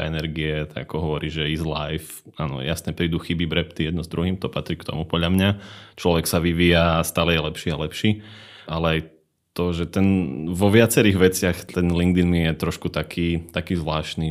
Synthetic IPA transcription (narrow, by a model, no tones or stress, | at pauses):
ɛ̰nɛɾɡiɛt̪a̰ɡakɔɦɔʋɔɾiːʒɛizla̰jfaːnɔ̰jasɲɛpɾiːd̪uxibibɾɛpt̪ijɛd̪nɔzd̪ɾuɦiːmt̪ɔpat̪ɾiːkt̪ɔ̰mupɔɟʎamɲat͡ʃlɔʋɛksaʋiʋiːjast̪aːlɛjɛlɛpʃiːalɛpʃiːalɛaj | t̪ɔʒɛt̪ɛnʋɔʋɪat͡sɛɾiːɣʋɛt͡sɪaxt̪ɛnliŋɡd̪inmijɛt̪ɾɔʃkut̪akʰiːt̪akiːzʋlaːʃni